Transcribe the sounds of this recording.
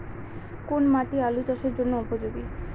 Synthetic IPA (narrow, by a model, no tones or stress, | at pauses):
konmaʈialut͡ɕaʃeɾd͡ʑonːoupod͡ʑoɡi